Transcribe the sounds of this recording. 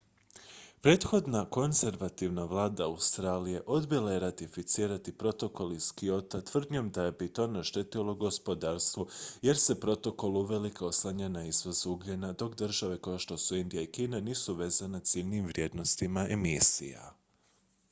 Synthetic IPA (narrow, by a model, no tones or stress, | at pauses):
pɾe̞ːt̪xo̞d̪nako̞nze̞ɾʋat̪iʋnaʋlˠaːd̪aaust̪ɾaːlije̞ʔo̞d̪bjelˠaje̞ɾat̪ifit̪siːɾat̪ipɾo̞t̪o̞ko̞liskio̞t̪at̪ʋr̩d̪ɲomd̪ajebit̪o̞naʃt̪et̪ilˠoɡospo̞d̪aɾst̪ʋoje̞ɾse̞pɾo̞t̪o̞ko̞lˠuʋelikaoslˠaɲanaizʋozuɡʎenad̪o̞kd̪rʒaʋe̞kojoʃt̪o̞suind̪ijaikiːnaniːsuʋe̞ːzanet̪silʲnimʋɾje̞ːd̪no̞st̪imaemisḭja̰